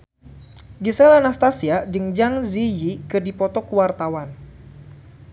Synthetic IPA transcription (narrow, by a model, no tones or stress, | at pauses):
ɡisɛlanast̪asiad͡ʒəŋd͡ʒaŋzijikɨrdipɔt̪ɔkuwart̪awan